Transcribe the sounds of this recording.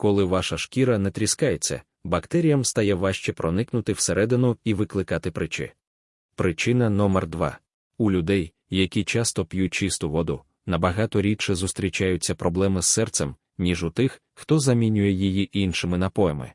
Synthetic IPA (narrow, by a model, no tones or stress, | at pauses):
kɔlˠɪʋɑʃɐʃkʲiɾɐnɛt̪ɾʲiskɑjet͡sʲːɐ̰ | bɐkt̪ɛɾʲijɐmst̪ɐjɛʋɑʃt͡ʃɛpɾɔnɪknʊt̪ɪwseɾʔɛd̪ɪnʊiʋɪklˠɪkɑt̪ɪpɾɪt͡ʃɪ̰ | pɾɪt͡ʃɪnɐnɔmɛrd̪ʋɑ̰ | ʊlʲʊd̪ɛj | jɐkʲit͡ʃɑst̪ɔpjut̚ʲt͡ʃɪst̪ʊʋɔd̪ʊ̰ | nɐbɐɦɑt̪ɔɾʲit͡ʃɪzʊst̪ɾʲit͡ʃajʊt͡sʲːɐpɾɔblˠɛmɪsːɛrt̪sɛm | nʲiʒʊt̪ɪx | xt̪ɔzɐmʲinʲʊjɛjijiʔinʃɪmɪnɐpɔjɛmɪ̰